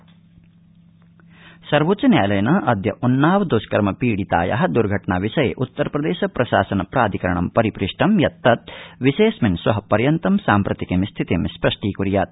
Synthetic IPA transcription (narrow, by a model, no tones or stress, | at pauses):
sɐɾʋutt͡ʃɐnjaːjlɐjɐnɐʔɐd̪ʱjɐʔunːaːʋɐd̪uskɐɾmɐpiːɽit̪a̰ːjɐ̰ɦɐ̆d̪uɾɡʱɐʈɳaːʋiʃɐjḛʔut̪ːɐɾɐpɾɐd̪eːʃɐpɾɐʃa̰ːsɐnɐpɾaːd̪ʱikɐɾɐɳɐmpɐɾipɾiʂʈʰɐmjɐt̪ːɐt̪̚ʋiʃeːsmɐnsʋɐɦɐpɐɾjɐnt̪ɐmsaːmpɾɐt̪ikemst̪ʰit̪emspɾɐʂʈiːkuɾjaːt̪̚